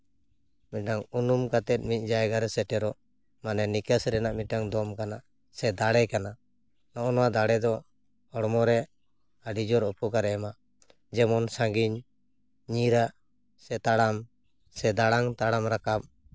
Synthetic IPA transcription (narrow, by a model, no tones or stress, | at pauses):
miaŋunumkat̪ɛt̪̚ˀmic̪̚ˀd͡ʒajɡaɾɛsɛʈɛɾɔ | manɛnikasɾɛnaʔmiaŋd̪ɔmkanaʔ | sɛd̪aɽɛkana | nɔʔɔnɔwad̪aɽɛd̪ɔ | ɔɽmɔɾɛ | aɖid͡ʒɔɾɔpɔkaɾɛɛmaʔ | d͡ʒɛmɔnsaŋɡiɲ | ɲiɾaʔ | sɛt̪aɽam | sɛd̪aɽaŋt̪aɽamɾakap̚